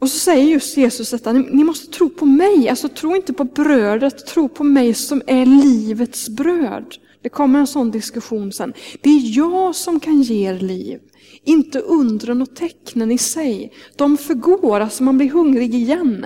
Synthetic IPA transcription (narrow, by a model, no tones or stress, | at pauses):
ɔsɔsɛjːəɾjɵst̪jeːsɵsd̪ɛt̪ːanɪnɪmɔst̪ə̥t̪ʰɾuːpʰɔmɛja̰lsɔt̪ʰɾuːɪnt̪əpʰɔbɾøːd̪ɾət̪ʰːɾuːpʰɔmɛjsɔmæɾliːvət̪sbɾøːd̪ | d̪̥ɛkʰɔmːəɾɛnsɔnd̪ɪskɵɧuːnsɛ̰nːd̪̥ɛæɾjɑːɡsɔmkʰanjeːeɾliːv | ɪnt̪əʔɵnd̪ɾənɔt̪ʰɛknənɪsɛjd̪̥ɔmfœɾɡoːɾalsɔmanblɪɾɦɵŋɾɪɡɪjɛn